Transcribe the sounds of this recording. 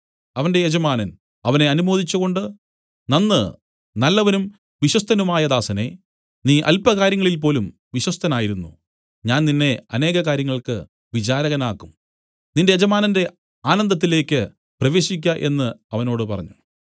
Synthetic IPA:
ɐʋɐnde̞jed͡ʑɐmaːnɐn | ɐʋɐne̞ɐnumo̞ːd̪it͡ɕːuɣo̞ɳɖɨ | nɐnːɨ | nɐlːɐʋɐnum | ʋiɕwɐst̪ʰɐnumaːjɐd̪aːsɐne̞ | niːʔɐ̰lpɐɣaːɾjɐŋːɐɭilp̬o̞ːlum | ʋiɕwɐst̪ʰɐnaːjiɾunːu | ɲaːnninːe̞ɐ̰ne̞ːɣɐkaːɾjɐŋːɐɭkɨ | ʋit͡ɕaːɾɐɣɐnaːkːum | ninde̞jed͡ʑɐmaːnɐnde̞ | aːnɐnd̪ɐt̪ːile̞ːkʲːɨ | prɐʋe̞ːɕik̬ʲːaʔe̞̰nːɨɐʋɐno̞ːɽɨpɐrɐɲːu

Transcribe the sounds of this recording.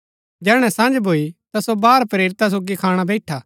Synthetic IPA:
d͡ʒɛːɽ̃ɛ̃sãd͡ʒbʱoːit̪asobaːɾpɾeːɾɪt̪as̬oːɡikʰaːɽ̃abɛɪʈʰaː

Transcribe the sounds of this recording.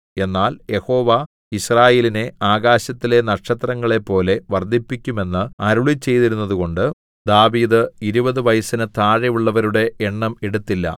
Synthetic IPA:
e̞nːaːlje̞ho̞ːʋa | iɕraːje̞ːline̞aːɣaːɕɐt̪ːile̞nɐʈʂɐt̪rɐŋːɐɭe̞pːo̞ːle̞ʋɐrd̪ʱipːikʲːume̞nːɨɐɾuɭit͡ɕːe̞jt̪iɾunːɐðuɣo̞ɳɖɨ | d̪aːʋiːðɨiɾubɐðɨʋɐjsɐnɨt̪aːɻɐjuɭːɐʋɐɾuɽe̞ʔːɳːɐmeɽut̪ːilːɐ̰

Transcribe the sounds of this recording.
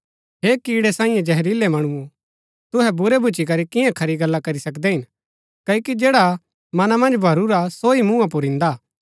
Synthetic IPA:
ɦeːkiːɽɛsãːĩjẽd͡ʒɐɦɾiːlɛmɐɽ̃uu | t̪ʊɦɛbʊɾɛbʱʊt͡ʃik̬ɐɾikɪjãkʰɐɾiɡɐlːakɐɾisɐkd̪ɛɦɪn | kɐokid͡ʒeːɽa | mɐnamɐ̃nd͡ʒbʱɐɾuɾasoimũãpʊɾɪ̃nd̪aː

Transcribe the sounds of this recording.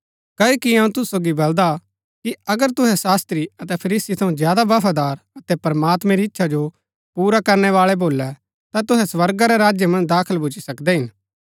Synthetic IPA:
kɐoːkiɐ̃ːũt̪ʊssoːɡibɐld̪a | kiɐɡəɾt̪ʊɦɛsaːst̪ɾiɐt̪ɛpʰɐɾiːsit̪ʰɐ̃ũzjaːd̪aʋɐpʰad̪aːɾɐt̪ɛpɐɾmaːt̪mɛ̃ɾiɪtːʃʰad͡ʒo | puːɾakɐɾnɛʋaːɭɛboːlɛ | t̪at̪ʊɦɛsʋɐɾɡaɾɛɾaːd͡ʒjəmɐ̃nd̪aːkʰəlbʱʊt͡ʃisɐkd̪ɛɦɪn

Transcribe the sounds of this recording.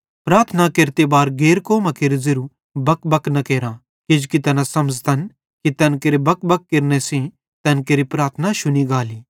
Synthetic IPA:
pɾaːɾt̪ʰənakeɾt̪ebaːɾɡeːɾkoːmɐkeɾzɪɾu | bɐkbɐknɐkeːɾã | ked͡ʒkit̪ɐnasɐməd͡ʒt̪ʰɐn | kit̪ɐnkeɾebɐkbɐkːɪɾnesĩ | t̪ɐnkeɾipɾaːɾt̪ʰnaʃʊniɡaːliː

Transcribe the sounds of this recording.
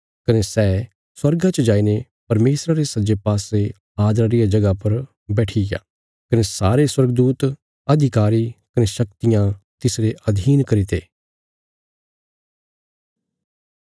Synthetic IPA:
kɐnesɛː | swɐɾɡãt͡ʃəd͡ʒaːine | pɐɾmeːsɾaɾesɐd͡ʒepaːse | aːd̪ɾaɾijad͡ʒɐɡapɐɾ | bɛːʈʰija̰ː | kɐnesaːɾeswɐɾɡd̪uːt̪ | ɐd̪ʱɪkaːɾikɐneʃɐk̚t̪ɪjãt̪ɪsɾeʔɐd̪ʱiːnkɐɾit̪eː

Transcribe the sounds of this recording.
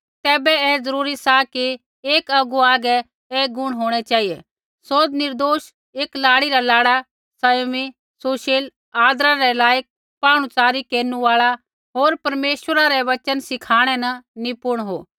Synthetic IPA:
t̪ɛːbɛɛːzɐɾuːɾisaki | eːkɐɡuaːɡɛ | ɛːɡʊɽ̃ɦoːɽ̃ɛt͡ʃaːɦijɛ | soːd̪nɪɾd̪oːʃ | eːklaːɽiɾalaːɽa | sɐjmi | soːʃel | aːd̪ɾaɾɛlaːjək̚ | paːɽ̃ut͡saːɾikeːɾnuaːɭa | ɦoːɾpɐɾmeːʃwəɾaɾɛʋɐt͡ʃənsɪkʰaːɽ̃ɛnɐnipʊɾɽ̃ɦo̰ː

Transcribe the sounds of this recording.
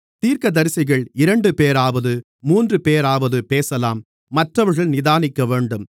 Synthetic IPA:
t̪iːɾkɐd̪ɐɾɪsɪɣɐɭɪɾɐɳɖɯpeːɾaːʋɐðɯ | muːndrɯpeːɾaːʋɐðɯpeːsɐlaːmː | ɐʈrɐʋɐɾɣɐɭnɪðaːnɪkːɐʋeːɳɖɯm

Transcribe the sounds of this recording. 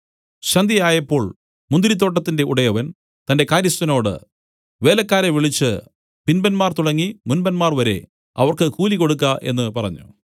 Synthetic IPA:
ɕɐnd̪ʱijaːjɐpːo̞ːɭ | mund̪iɾit̪̬ːo̞ːʈ̬ːɐt̪ːinde̞uɽɐjɐʋɐn | t̪ɐnde̞kaːɾjɐsɐno̞ːɽɨ̰ | ʋe̞ːlɐkːaːɾɐʋiɭit͡ɕːɨ | pinbɐnmaːrt̪uɽɐŋːimunbɐnmaːrʋɐɾe̞̰ | ɐ̰ʋɐrkɨkuːliko̞ɽuk̬ːɐʔe̞̰nːɨpɐrɐ̰ɲːṵ

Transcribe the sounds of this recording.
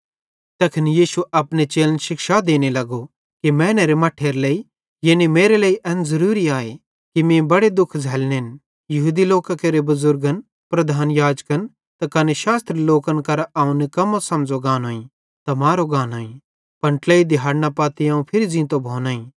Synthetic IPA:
t̪ɐkʰɪnjiːʃuɐpnet͡ʃeːlnʃɪkʃad̪eːnelɐɡo | kimɛ̃ːneɾemɐʈʰeːɾleːi | jenimeːɾeleiʔɛnzɐɾuːɾiaːe | kimẽbɐɽed̪ʊkʰd͡zʱɛːlnn | jɐɦuːd̪iloːkakeɾebɐzʊɾɡən | pɾɐd̪ʱaːnjaːd͡ʒkən | t̪akɐneʃaːst̪ɾiloːkənkɐɾaːũnikɐmosɐmd͡zoɡaːnɦoːĩ | t̪ɐmaːɾoɡaːnaːĩ | pɐ̃ɳʈleːid̪ɪɦaːɾnapaːt̪iãːũpʰɪɾid͡zĩːt̪obʱoːnaːĩ

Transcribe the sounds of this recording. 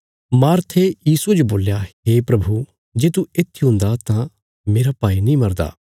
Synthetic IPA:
maːɾt̪ʰejiːsued͡ʒoboːljaɦeːpɾɐbʱu | d͡ʒeːt̪uɪt̪ʰːiɦʊ̃nd̪at̪ã | meːɾapaːinĩmɐɾd̪a̰ː

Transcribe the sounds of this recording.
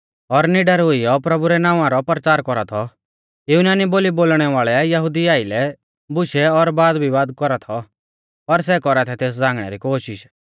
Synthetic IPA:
ɔɾnɪɖaɾɦʊijɔpɾɐbuɾɛnaːʋ̃ãɾɔpɾət͡ʃaːɾkɔɾa̰t̪ʰɔ | junaːniboːliboːlɽ̃ɛʋaːɭɛjɐɦʊd̪iaːɪlɛ | bʊʃɛɔɾbaːd̪bʱiʋaːd̪kɔɾat̪ʰɔ | pɐɾs̬ɛkɔɾat̪ʰɛt̪eːs̬d͡zãːŋɡɽ̃ɛ̰ɾikoːʃɪʃ

